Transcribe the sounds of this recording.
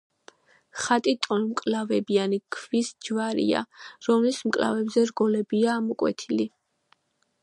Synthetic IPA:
χat̪ʼit̪ʼɔnmkʼlavɛbianikʰvisd͡ʒvaɾḭa̰ɾɔmlismkʼla̰vɛbzɛɾɡɔlɛbiaːmɔkʼwɛ̰t̪ʰili

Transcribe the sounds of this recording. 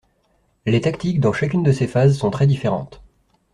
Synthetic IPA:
let̪akt̪ik̚d̪ɑ̃ʃakʲynd̪əsefazsɔ̃t̪χɛd̪ifeʁɑ̰̃t̪

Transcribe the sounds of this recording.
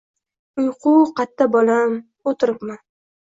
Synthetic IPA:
ʊjqʰʊqʰɑt̪ʰːabɒlam | ot̪ʰɪɾɪpman

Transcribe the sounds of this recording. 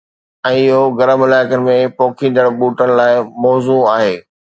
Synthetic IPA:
ɛ̃ːɪɦoɡɐɾəmɪlaːɪkənɪ̆mẽpɔːkʰĩːnd̪əɽ̃ɓuːʈəɽ̃ɪ̆laːɪmɔːzuaːɦeː

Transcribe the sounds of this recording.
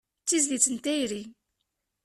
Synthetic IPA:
t͡sːizlit͡sːənt̪æjɾi

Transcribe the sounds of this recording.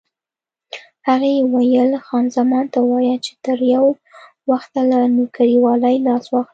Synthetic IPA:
haɣewajəlxɑnzamɑnt̪awɑjat͡ʃe̥t̪əɾjaw | waxt̪alanukaɾiwɑlajlɑswɑxli

